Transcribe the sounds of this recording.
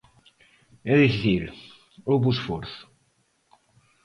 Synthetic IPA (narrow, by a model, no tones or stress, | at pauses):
ɛðifiθil | owβusfoɾθʊ̥